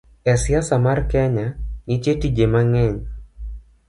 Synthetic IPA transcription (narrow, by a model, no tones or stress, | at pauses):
ɛsjasamarkɛɲanɪt͡ʃetid͡ʒemaŋɛɲ